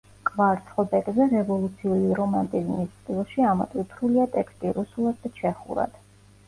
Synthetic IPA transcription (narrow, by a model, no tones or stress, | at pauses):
kʼvaɾt̪sʰʼχɔbɛkʼzɛɾɛvɔlˠut̪sʰiuliɾɔmant̪ʼizmist̪sʼd̪ilˠʃiamat̪ʼwipʰɾuliat̪ʼɛkst̪ʼiɾusulˠad̪̚d̪at͡ʃʰɛχṵɾa̰d̪̥